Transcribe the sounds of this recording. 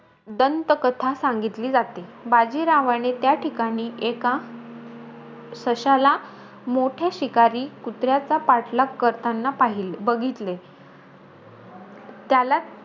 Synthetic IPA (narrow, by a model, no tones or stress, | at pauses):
d̪ənt̪əkət̪ʰasaŋɡit̪liːd͡zat̪ibad͡ʑiɾaʋaɽ̃et̪jaʈʰikaɽ̃iːʔeka | səɕala | moʈʰaɕikaɾiːkut̪ɾjat͡sapaʈlakːəɾt̪anːapaɦilbəɡʱit̪le | t̪jala